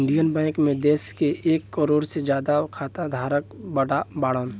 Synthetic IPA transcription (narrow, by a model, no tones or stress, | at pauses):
ɪɳɖijənbɛ̃ːŋkmẽd̪eːskeʔeːkːəɾoːɽsed͡ʒjaːd̪akʰaːt̪ad̪ʱaːɾəkbəɽabaːɽən